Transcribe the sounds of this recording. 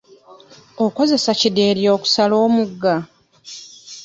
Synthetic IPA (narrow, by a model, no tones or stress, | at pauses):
o̞ko̞ze̞sacide̞ːɾjo̞ːku̥salo̞ːmuɡːa